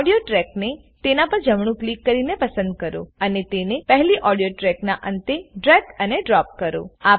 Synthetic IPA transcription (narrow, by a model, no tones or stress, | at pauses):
ɽijoʈɾɛkne | t̪enapəɾd͡ʒəmɳ̃ũklikːəɾinepəsə̃nd̪̚kəɾo̰ənet̪enepəɦliʔɔɽijoʈɾɛknaʔənt̪eɖɾɛkəneɖɾɔp̚kəɾo̰a